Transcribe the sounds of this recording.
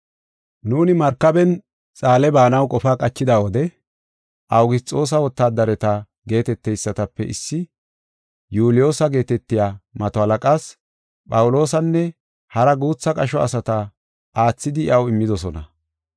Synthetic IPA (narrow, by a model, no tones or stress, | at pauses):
nuːnɪmɐɾkːɐbɛn | t͡sʼaːlɛbaːnɐwkʼɔfaːkʼɐt͡ʃːɪd̪aːwɔd̪ɛ | ʔɐwɡɪt͡sʼo̞ːs̬ɐwɔt̪ːaːd̪ɐɾɛt̪ɐ | ɡe̞ːt̪ɛt̪ːɛjsːɐt̪ɐpːɛ̰ʔɪsːɪ | juːlɪjo̞ːsɐɡe̞ːt̪ɛt̪ːɪjaːmɐt̪ɔhɐlɐkʼaːs | pʼɐwʊlo̞ːs̬ɐnːɛ | hɐɾɐɡuːt͡sːɐkʼɐʃɔɐ̰sɐt̪ɐ | ʔaːt͡sːɪd̪ɪɪ̰ʔɐwɪmːɪd̪ɔsɔnɐ